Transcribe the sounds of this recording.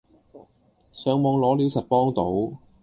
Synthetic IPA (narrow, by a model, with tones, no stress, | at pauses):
sœː˨˧ŋmɔː˧ŋlɔː˨˥liː˨˥wsɐ˨t̚pɔː˥ŋt̪o˨˥w